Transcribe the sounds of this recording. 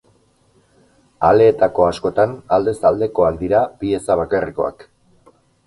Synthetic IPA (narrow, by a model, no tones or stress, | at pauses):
ale̞ːt̪ako̞asko̞t̪anald̪e̞sald̪e̞ko̞akd̪iɾabie̞saβ̞akariko̞̰a̰k